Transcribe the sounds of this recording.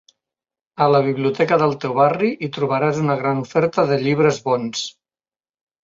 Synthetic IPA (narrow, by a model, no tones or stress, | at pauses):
ələβ̞iβliut̪ɛkəðəlˠt̪ewβariʔit̪ɾuβ̞əɾazunəɣɾanufɛɾt̪əðəʎiβ̞ɾəzβɔns